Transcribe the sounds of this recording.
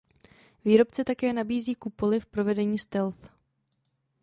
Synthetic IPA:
viːɾo̞p̚t͡sɛt̪akɛːnabiːziːkupo̞lɪfpɾo̞vɛdɛɲiːst̪ɛlθ

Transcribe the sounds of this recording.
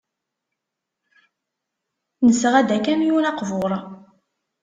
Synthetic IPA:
nəsʁæd̪ækæmjuɾɑqvoɾˤ

